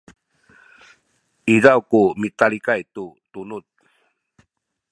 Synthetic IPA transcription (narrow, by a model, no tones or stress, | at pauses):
izawkumitaɭikajtutunut̪̚